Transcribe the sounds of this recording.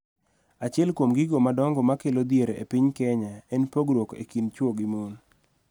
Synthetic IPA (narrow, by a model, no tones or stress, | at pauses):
at͡ʃɪɛlkwomɡiɡomadɔŋɡɔmakelod̪jeɾḛpɪɲkɛɲaɛnpoɡɾokḛkint͡ʃwoɡimon